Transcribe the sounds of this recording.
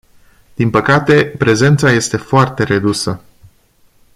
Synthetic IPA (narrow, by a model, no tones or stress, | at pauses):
d̪̥inpəkat̪e̞pɾe̞ze̞nt̪saje̞st̪e̞foart̪e̞ɾe̞d̪usə